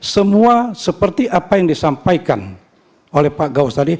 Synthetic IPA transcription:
səmuasəpərt̪iʔapajaŋdisampajkan | olɛhpaɡaust̪adi

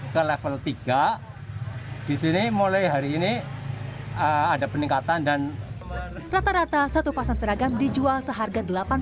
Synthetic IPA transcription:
kəlefəlt̪iɡ̥a | d̥isinimolajɦaɾiːni | əadapəniŋkat̪andan | rat̪aɾat̪asat̪upasansəɾaɡandid͡ʒualsəɦarɡadəlapan

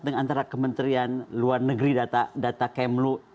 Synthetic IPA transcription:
t̪̚dəŋant̪aɾakəmənt̪ɾianluarnəɡəɾidat̪adat̪akɛmlu

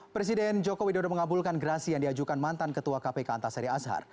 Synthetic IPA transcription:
pɾɛs̬idɛnd͡ʒokowidodoməŋabulkanɡəɾasijaŋdiad͡ʒukanmant̪ankət̪uakapekəa̰nt̪asaɾiasɦa̰r

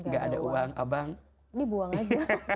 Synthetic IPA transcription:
ŋɡaʔa̰daʔuwaŋa̰baŋ | dibuaŋad͡ʒ

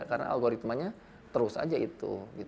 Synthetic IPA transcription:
kaɾəna̰a̰lɡoɾit̪maɲa | t̪əɾʊsa̰d͡ʒait̪ṵɡit̪

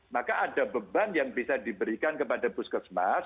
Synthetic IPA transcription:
makaʔadabəbanjaŋbisadibəɾikankəpadabʊskəsmas

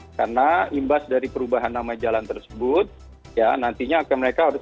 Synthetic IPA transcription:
karnaimbasdaɾipəɾubaɦanːamaid͡ʒalant̪ərsəbʊt̪̚ | janant̪iɲaːkaməɾekaaɾʊs

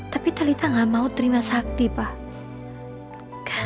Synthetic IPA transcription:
t̪apit̪alit̪aŋɡamaut̪əɾimasak̚t̪ipah | ka

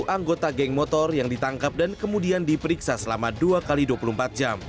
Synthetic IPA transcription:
ʔaŋɡot̪aɡɛŋmɔt̪ɔrjaŋdit̪aŋkap̚dankəmudiandipəɾiksasəlamaduakaliduapulum̩pat̪̚d͡ʒam

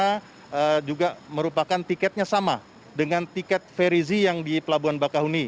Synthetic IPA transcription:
a | əd͡ʒuɡaməɾupakant̪ikɛt̪̚ɲasama | dəŋant̪ikɛt̪̚feɾizijaŋdipəlabuanbakaɦuni

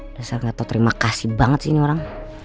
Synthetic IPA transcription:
dasarŋɡat̪awt̪əɾimakasibaŋət̪sinioɾaŋ

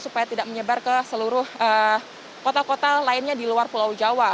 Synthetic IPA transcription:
supajat̪idak̚məɲəbarkəsəluɾʊhə | kot̪akot̪alaɪnɲadiluarpulawd͡ʒawa

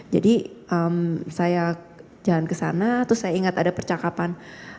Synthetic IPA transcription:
d͡ʒa̰diʔəmsaja | d͡ʒalankəsa̰nat̪ɾʊsːajaiŋat̪adapərt͡ʃakapan

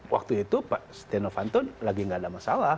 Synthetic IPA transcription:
wʔa̰k̚t̪uit̪upaʔst̪ɛnofant̪ɔnlaɡiŋɡadamasala

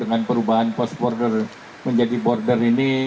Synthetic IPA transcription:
dəŋanpəɾubaɦanpɔsbɔrdər | məɲd͡ʒadibɔrdərini

